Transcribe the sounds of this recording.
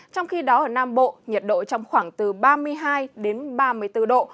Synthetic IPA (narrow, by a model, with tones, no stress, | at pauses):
t͡ɕɔ˧wŋ͡mxi˧ɗɔ˨˦ʔəː˧˩naː˧mɓo̰˧˨ɲə˨˩t̚ɗo̰˧˨t͡ɕɔ˧wŋ͡mxwaː˧˩ŋt̪ɨ˨˩ɓaː˧mɨ˧əjɦaː˧jɗe˨˦nɓaː˧mɨ˧əjt̪ɨ˧ɗo̰˧˨